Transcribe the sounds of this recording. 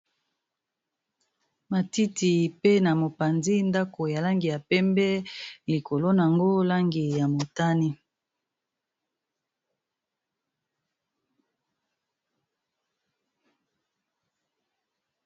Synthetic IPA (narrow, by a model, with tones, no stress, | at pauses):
ma˨ti˦ti˨pe˦na˨mo˨pa˨nzi˦nda˦ko˨ja˨la˦ŋɡi˨ja˨pɛ˦mbɛ˦li˨ko˨lo˦n˨a˨ŋɡo˦la˦ŋɡi˨ja˨mo˨ta˦ni˦